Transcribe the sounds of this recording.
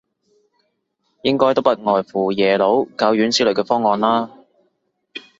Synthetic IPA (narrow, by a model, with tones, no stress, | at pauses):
jɪ˥ŋkɔː˥jt̪o˥wpɐ˥t̚ŋɔː˨˩jfuː˨˩jɛː˨˩lo˨˥wkaː˨˧wjyː˨˥nsiː˨˥lɵ˨˩kɛː˧fɔː˥ŋːɔː˨˧nlaː˥